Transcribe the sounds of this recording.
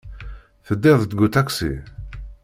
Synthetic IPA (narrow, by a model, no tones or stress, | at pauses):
θəd̪ːɪðˤət̪ɡut̪æksḭ